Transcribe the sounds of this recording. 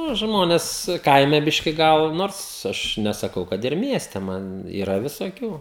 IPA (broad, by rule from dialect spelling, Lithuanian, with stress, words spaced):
ˈnʊ ˈʒmoːnʲɛs ˈkɐɪmʲɛ ˈbʲɪʃʲkʲɪ ˈɡɐlˠ ˈnoːrs ˈɐʃ nʲɛsɐˈkɐʊ ˈkɐt ɪr ˈmʲiɛsʲtʲɛ ˈmɐn iːˈrɐ ʋʲɪsoːˈkʲuː